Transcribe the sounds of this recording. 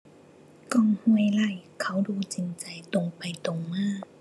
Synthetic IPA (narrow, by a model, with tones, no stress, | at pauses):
kɔː˧˩ŋhu˧˩əjla˧˩jkʰa˧˥˩wduː˧˩t͡ɕi˨˧nt͡ɕa˨˩jt̪o˨ŋpa˨˩jt̪o˨˩ŋmɯː˧˩˨